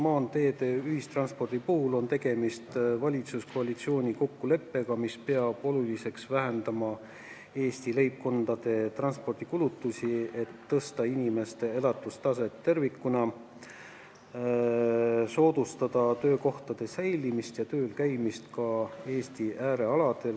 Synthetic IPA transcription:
mɑːnt̪e̞ːt̪e̞yhist̪rɑnspo̞rd̪̥ipuhulo̞nt̪e̞ɡ̥e̞mist̪vɑlʲit̪susko̞ɑlʲit̪sio̞ːnʲiko̞kːule̞pːe̞ɡ̥ɑmispe̞ɑb̥o̞lulise̞ksvæɦend̪ɑmɑ | e̞ːst̪ile̞jp̚ko̞nd̪ɑd̪̥e̞t̪rɑnspo̞rd̪̥ikulut̪ːˑusʲie̞t̪ːɤst̪ɑinʲime̞st̪e̞e̞lɑt̪ːˑust̪ɑs̬e̞t̪ːe̞rvikːˑunɑ | so̞ːd̪̥ust̪ɑd̪̥ɑt̪ø̞ːko̞ht̪ɑd̪̥e̞sæjlimist̪jɑt̪ø̞ːlkæjmist̪kɑe̞ːst̪iʔæːɾe̞ɑlɑd̪̥e̞l

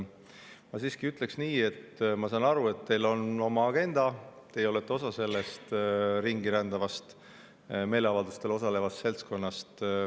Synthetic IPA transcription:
mɑsiːskiyt̪ˑle̞ksniːe̞t̪mɑsɑːnɑɾue̞t̪ːe̞jlo̞no̞mɑɑɡ̥e̞nd̪̥ɑt̪e̞jeo̞le̞t̪ːˑeo̞sɑse̞lːest̪ɾiŋɡ̥iɾænd̪̥ɑvɑst̪ | me̞jle̞ɑvɑld̪̥ust̪e̞lo̞sɑle̞vɑstse̞lt̪sko̞nːɑst̪

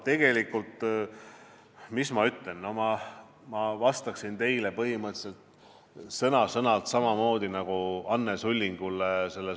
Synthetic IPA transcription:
t̪e̞ɡ̥e̞likult̪ | mismɑyt̪le̞nːo̞mɑ | mɑvɑst̪ɑksint̪e̞jle̞pɤɦimɤt̪se̞lt̪ | sɤnɑsɤnɑlt̪sɑmɑmo̞ːd̪̥inɑɡ̥uɑnːe̞sulʲːiŋɡ̥ulːese̞lːe

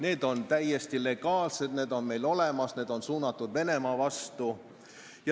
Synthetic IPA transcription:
ne̞ːd̪o̞nt̪æjːest̪ile̞ɡ̥ɑːlse̞d̪ne̞ːd̪o̞nme̞jlo̞le̞mɑsne̞ːd̪̥o̞nsuːnɑt̪ːˑud̪̥ve̞ne̞mɑːvɑst̪u | jɑ

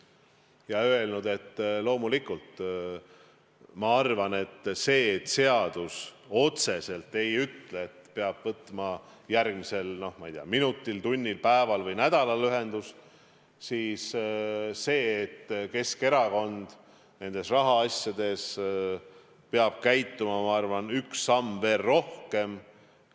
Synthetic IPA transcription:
jɑøe̞lnud̪̥e̞t̪ːlo̞ːmulikult̪ | mɑɑrvɑne̞t̪ːse̞ːt̪ːse̞ɑd̪̥us | o̞t̪se̞se̞lt̪ːˑe̞jyt̪leet̪pe̞ɑb̥vɤt̪ːˑmɑ | jærɡ̥mise̞lno̞hmɑijt̪eiɑminut̪ːˑilt̪unʲːilpæevɑlvɤjnæd̪̥ɑlɑlyɦe̞nd̪̥us | siːs | se̞ːt̪ːke̞ske̞ɾɑko̞nd̪̥ | ne̞nd̪̥e̞srɑɦɑɑsʲjɑd̪̥e̞s | peɑb̥̚kæjt̪ːumɑmɑɑrvɑnyksːɑmːve̞ːrːo̞hke̞m

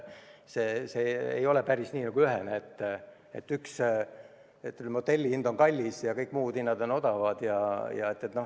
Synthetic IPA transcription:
seːseḛjo̞lɛpæɾisnʲiːnɑɡ̥uyɦeneet̪ː | ḛt̪ːyks | et̪ːylmod̪̥e̞lʲːiind̪̥o̞ŋkɑlʲːisjɑkɤjkːˑmuːd̪̥inːɑd̪̥o̞no̞d̪̥ɑvɑd̪̥jɑjɑ̰e̞t̪ːet̪ːnoh

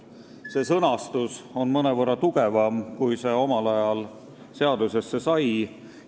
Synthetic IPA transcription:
se̞sɤnɑst̪uso̞nmɤne̞vɤrːɑt̪uɡ̥e̞vɑmkujse̞o̞mɑlɑjɑl | se̞ɑd̪use̞sːe̞sɑj

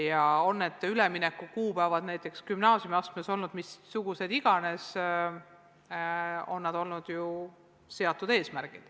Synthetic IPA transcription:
jɑonːed̪̥yleminekːˑukuːpæevɑd̪̥næjt̪ːˑe̞kskymnɑːsʲjumiɑst̪meso̞lnud̪̥misːuɡ̥use̞d̪̥iɡ̥ɑne̞s | o̞̰nːɑd̪o̞lnud̪̥ju | se̞ɑt̪ːˑud̪e̞ːsmæɾɡ̥id̪̥

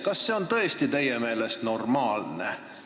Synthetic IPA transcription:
kɑsːe̞o̞nt̪ɤ̞est̪it̪e̞jeme̞ːle̞st̪no̞rmɑːlnḛ

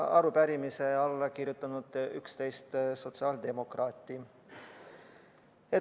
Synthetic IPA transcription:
ɑɾupæɾimise̞ɑlːɑkiɾjut̪ːˑɑnud̪̥ykst̪e̞jst̪so̞t̪siɑːld̪e̞mo̞krɑːt̪ːˑi | e

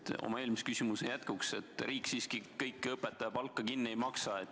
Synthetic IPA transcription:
t̪o̰mɑe̞ːlmiskysʲimusejæt̪kukse̞t̪ɾʔiːkːˑsiːskikɤjkːˑɤpːet̪ːˑɑjɑpɑlkːˑɑkinːiejmɑksɑet̪ː

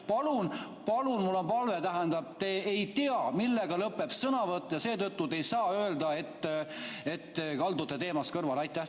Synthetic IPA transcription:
pɑlun | pɑlunmulːonpɑlvet̪æɦænd̪̥ɑb̥̚t̪eːejt̪iɑmilːe̞ɡ̥ɑlɤpːˑe̞psɤnɑvɤt̪ːˑɑjɑse̞ːt̪ɤt̪ːut̪ejsɑːø̞eːld̪ɑe̞t̪ːˑe̞t̪ːekɑld̪ut̪ːˑet̪e̞ːmɑskɤrvɑlɑjt̪ːˑæh

